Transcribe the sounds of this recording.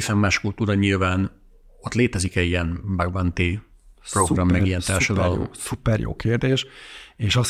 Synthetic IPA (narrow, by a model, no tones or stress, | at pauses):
isɛmːaːʃkult̪uːɾɒɲilvaːn | ot̪leːt̪ɛzikɛɟiɛnbaɡbant̪e | proɡɡrɒmːɛɡijɛnt̪aːrʃɒd̪ɒlo̰supɛrjo̰ːkʰeːrd̪eːʃeːʃɒs